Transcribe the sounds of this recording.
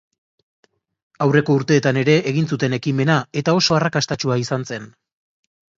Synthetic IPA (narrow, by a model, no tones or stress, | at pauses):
awre̞ko̞uɾt̪e̞ːt̪ane̞ɾe̞ʔːɣ̞insut̪e̞ne̞kime̞nae̞t̪ao̞so̞arakast̪at͡ʃuaisanse̞n